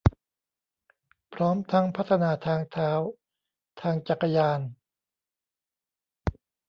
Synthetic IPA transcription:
pʰɾɔː˦˥mt̪ʰa˦˥ŋpʰa˦˥t̪ʰːa˧naː˧t̪ʰaː˧ŋt̪ʰaː˦˥w | t̪ʰaː˧ŋt͡ɕa˨˩kːa˧jaː˧n

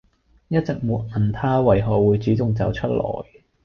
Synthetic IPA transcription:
jɐ˥t̚t͡sɪ˨k̚muː˨˧t̚ɐ˨˩nt̪ʰaː˥wɐ˨˩jɦɔː˨wuː˨˧jt͡syː˨˥tʊ˨ŋt͡sɐ̰˨wt͡ʃʰɵ˥t̚lɔ̰ː˨˩j

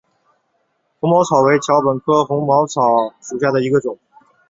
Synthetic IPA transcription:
xʊ˧˥ŋmɑ˧˥ʊt͡sʰɑ˨˩ʊwe˥ɪt͡ɕʰjɑ˧˥ʊpə˨˩nkʰɤ˥xʊ˧˥ŋmɑ˧˥ʊt͡sʰɑ˨˩˦ʊʂu˨˩ɕja˥˩d̪ə˩i˧˥ɡə˧ʈ͡ʂʊ˨˩˦ŋ

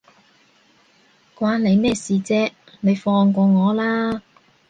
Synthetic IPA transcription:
kwʷaː˧nne˨˧jmɛː˥siː˨t͡sɛː˥ | ne˨˧jfɔː˧ŋkʷɔː˧ŋɔː˨˧laː˥

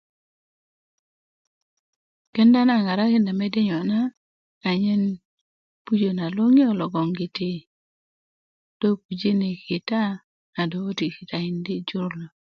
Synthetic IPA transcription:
kɛ˦nda˦na˦˨ŋa˨ɾa˦kɪ˦nda˨mɛ˦dɪ˦ɲɔ˨naː˦˨ | ɲɛ˦n | pu˦d͡ʒo˨na˨lwo˦ŋɪ˦ɔ˨lɔ˨ɡɔ˨ŋɡɪ˨tɪ˦ | d̥o˦k̚u˨d͡ʒe˦ne˨kɪ˨ta˦ | a˨do˨o˦ti˨ki˨ta˨ɪ˨ndɪ˦d͡ʒʊ˦ɾlo˨

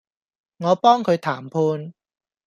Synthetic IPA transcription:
ŋɔː˨˧pɔː˥ŋkʰɵ˨˧ɥt̪ʰaː˨˩mpʰuː˧n

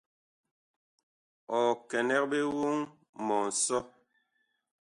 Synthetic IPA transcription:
ɔ˨kɛ˨nɛ˦k̚be˦wu˦ŋ | mɔ˨n̩˨sɔ˦

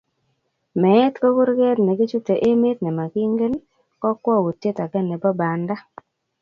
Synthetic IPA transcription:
mɛ˨˦tko˦ku˦ɾɡɛ˦tnɛ˨ɡɪ˦t͡ʃu˦te˨ʔe˦me˦t̪nɛ˨ma˨ɡi˦ŋɡe˦n | kɔ˦kwɔ˦˨wu˨tːe˦ta˨ɡɛ˦nːɛ˨bɔ˦ba˨nda˦

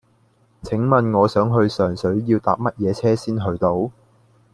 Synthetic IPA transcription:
t͡sʰɪ˨˥ŋmɐ˨nŋɔː˨˧sœː˨˥ŋɦɵ˧ɥsœː˨˩ŋsɵ˨˥ɥjiː˧wt̪aː˨p̚mɐ˥t̚jɛː˨˧t͡sʰɛː˥siː˥nɦɵ˧ɥt̪o˨˥w

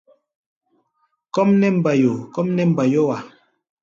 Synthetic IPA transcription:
kɔ˦mnɛ˦m̩˨ba˨jo˨kɔ˦mnɛ˦m̩˨ba˨jo˦wa˨

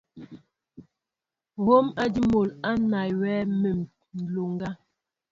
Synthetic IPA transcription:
ɣo˦ma˦di˦mo˨la˦na˨jwɛ˦me˨m˨ | n̩˨lo˨ŋɡa˦

